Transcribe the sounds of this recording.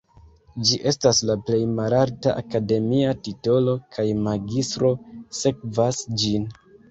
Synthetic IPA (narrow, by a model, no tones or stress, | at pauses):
d͡ʒiʔe̞staslaple̞jmalaltaʔa̰kade̞miatito̞lo̞kʰajmaɡistɾo̞se̞k̚vasd͡ʒin